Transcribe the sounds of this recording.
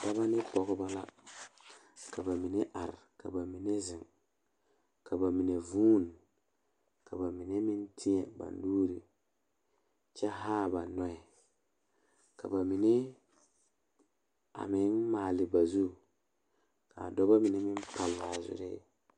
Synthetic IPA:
da˦ba˦nɪ˦pɔ˨kʊ˦ba˦la̰˦ | ka˨ba˨mi˨ne˦ʔa˨ɾka̰˨ba˨mi˨ne˦zɪ˨ŋ | ka˨ba˨mi˨ne˨vuː˦n | ka˨ba˨mi˨ne˦mɪ˦ntʰi˦ɲɛ˨ba̰˨n˦duː˦ɾi˨ | t͡ʃɛ˦ɦaː˦˨ba˨nɔ˦ɛ˨ | ka̰˨ba˨mi˨ne˦ | a̰˨mɪ˨˦nmaː˨lɪ˨ba˨zu˦ | ka˨dɔ˦ba˦mi˨ne˦mɪ˦n˦pa˨lːa˨zʊ̰˨ɾɪ̰˦

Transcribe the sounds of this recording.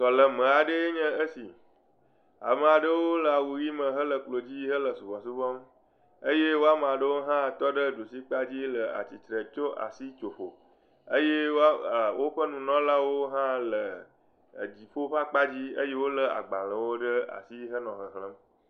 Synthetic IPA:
sɔ˨lə˨mə̃˨a˨ɖə˦je˦ɲə̃˦ə˦si˨ | a̰˨mə˨a˨ɖə˦wo˦lə˨a˨wu˨ɾi˦mə̃˨ɦə˦lə˨k͡plo˨d͡ʑi˦ɦə˦lə˨su˨vɔ̃˨su˦vɔ˦m | ə˦je˦wo˦a˦m˨a˨ɖə˦wo˦ɦã˦˨t̪ɔ˦ɖə˦ɖo˨si˦k͡pa˦d͡ʑi˦lə˨a̰˨t͡ɕi˨t̪ɾə˨t͡ʃo˦ʔa̰˨si˦t͡ʃo˨ɸo˨ | ə˦je˦wwo˦ɸə˦nũ˨nɔ̃˦la˦wo˦ɦã˦lə̰˨ | d͡ʑi˨ɸo˦ɸã˦k͡pa˦d͡ʑi˦ə˦je˦wo˦lə˦a̰˨ɡ͡ba˨lə˨wo˦ɖə˦a̰˨si˦ɦə˦nɔ̃˨ɦə˨ɦlə̃˦m

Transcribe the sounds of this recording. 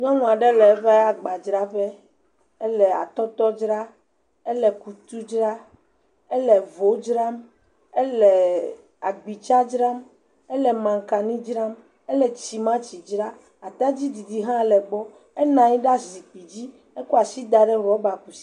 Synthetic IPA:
ɲɔ̃˦ŋũ˨a˨ɖɛ˦lɛ˨˦βɛ˦a˨ɡ͡ba˨d͡ʒɾa˦bɛ˦ | ɛ˦lɛ˨a̰˨t̪ɔ˦t̪ɔ˦d͡ʒɾa˦ | ɛ˦lɛ˨ku˨t̪u˦d͡ʒɾa˦ | e˦lɛ˨vo˨˦d͡ʒɾa˦m | ɛ˦lɛ˨ | a˨ɡ͡bi˨t͡ʃa˦d͡ʒɾa˦m | ɛ˦lɛ˨mã˨ŋka˨nĩ˦d͡ʒɾa˦m | e˦lɛ˨t͡ɕi˨mã˦t͡ɕi˨d͡ʒɾa˦ | a˨t̪a˦d͡ʑi˦d̪i˨d̪i˨ɦã˦˨lɛ˨ɡ͡bɔ˦ | ɛ˦nã˨ɲĩ˦ɖa˦zi˨k͡pi˨d͡ʑi˦ | e˦ku˦a˨si˦d̪a˨ɖɛ˦wɔ˨˦ba˨ku˨si̥˦

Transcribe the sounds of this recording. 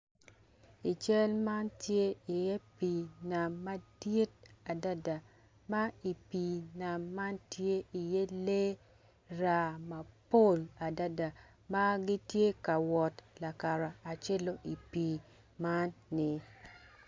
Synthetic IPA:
i˨t͡ʃɛ˦lma˦ntje˦i˨je˦pi˨na˨mːa˦di˦t̚a˨da˦da˨ | ma˦i˨pi˨na˨mːa˦ntje˦i˨je˦le˦ | ɾa˨ma˨po˦˨la˨da˦da˨ | ma˦ɡi˦tje˦ka˨wɔ˨tla˨ka˨ɾa˨a˨t͡ʃe˦lo˦ʔi˨pi˨ | ma˦nːɪ˨

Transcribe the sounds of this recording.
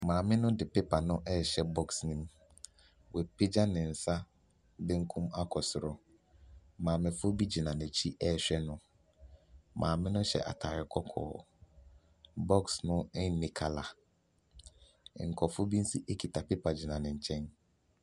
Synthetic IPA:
mãː˨mɪ̃˦nʊ̃˦dɪ˨pe˦pʰa˨nʊ̃˦ʔɛ˦˨ɕɛ˨bɔ˦ksnĩ˦m | wɛ˨pʰe˦d͡ʑa˦nɪ̃˨n̩˨sa˦ | bɪ̃˦ŋ̩˦kʰũ˦ma˦kʰɔ˨sʊ˨ɾʊ˨ | mãː˨mɪ̃˨fʊ˦bi˦d͡ʑi˨nã˨nɛ̃˨t͡ɕʰi˦ʔɛ˦˨ɕᶣɛ˦nʊ̃˦ | mʔã̰ː˨mɪ̃˦nʊ̃˦ɕɛ̰˨ʔa̰˨tʰa˨ɾɪ˨kʰɔ˦kʰɔ̰ː˨ | bɔ˦ksnʊ̃˦ɪ˦n̩˨˦nɪ̃˨kʰa˨la˨ | ŋ̩˨kʰɔ˨fʊ˦bi˦n̩˦si˦ʔe˦kʰi˨tʰa˨pe˦pʰa˨d͡ʑi˨nã˨nɪ̃˨ɲ̩˨t͡ɕʰɛ̃˦n

